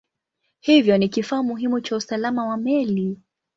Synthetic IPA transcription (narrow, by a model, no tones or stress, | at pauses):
hivjɔnikifaːmuɦimut͡ʃausalamawamɛli